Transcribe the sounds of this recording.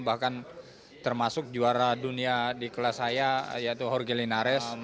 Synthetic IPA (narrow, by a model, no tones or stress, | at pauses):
bahkan | t̪ərmasʊk̚d͡ʒuaɾaduniadikəlasajajait̪uɦɔrɡelinaɾɛs